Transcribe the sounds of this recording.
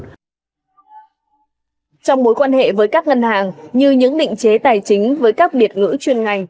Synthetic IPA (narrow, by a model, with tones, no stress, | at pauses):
t͡ɕɔ˧wŋ͡mmo˨˦jkwaː˧nhḛ˧˨vəː˨˦jkaː˦˥k̚ŋə˧nhaː˨˩ŋɲɨ˧ɲɨ̰˧˥ŋɗḭ̈˧˨ŋ̟t͡ɕe˨˦t̪aː˨˩jt͡ɕï˨˦ŋ̟vəː˨˦jkaː˦˥k̚ɗi˨˩ət̚ŋɨ̰˧˥t͡ɕwi˧˩ənŋa˨˩jŋ̟